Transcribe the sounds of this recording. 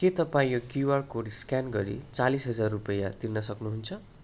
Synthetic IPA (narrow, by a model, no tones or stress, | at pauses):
ket̪ʌpaĩokuwarkoɽiskjanɡʌɾḭt͡salisɦʌd͡zarːupʌjat̪irnʌsʌknuɦunt͡sʰʌ